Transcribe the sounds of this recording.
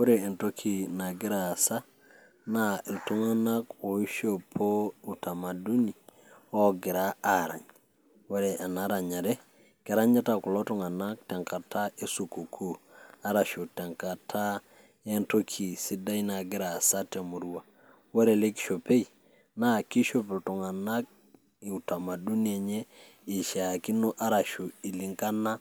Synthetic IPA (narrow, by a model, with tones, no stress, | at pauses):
wo˦ɾeː˨nto˦kʰi˨na˨ɡɪ˦ɾa˨sa˦ | na˨e˨ltu˦ŋa˦na˦ko˨i˦ʃo˦pʰo˦u˨ta˨ma˨du˦ni˨ | ɔ˦ɡɪ˨ɾa˦a˨ɾa̰˨ɲ | we˦ɾe˨ʔa˨na˦ɾa˨ɲa˨ɾe˦ | kɛ˨ɾa˦ɲa˦ta˨kʊ˨lo˦tʊ˦ŋa˨na˦k̚tɛ˨ŋka˨ta˦e˦su˨ku˨kʰu˦a˦ɾa˨ʃo˨tɛ˨ŋka˨tʰa˦ | e˦nto˦kʰi˨si˦da˦i˦na˨ɡɪ˦ɾa˨sa˦te˨mu˨ɾwa˨ | wɔ˦ɾɛ˨le˦ki̥˨˦ʃo˨pe˦j | na˦ki˦ʃo˦˨pɪ˨lto˨ŋa˨na˦k̚ | i˨u˨ta˨ma˨du˦ni˦ɛ˨ɲɛ˦ | ɪ˨ʃa˨ki˦no˦ʔa˦ɾa˨ʃo˨i˨li˨ŋɡa˦na˦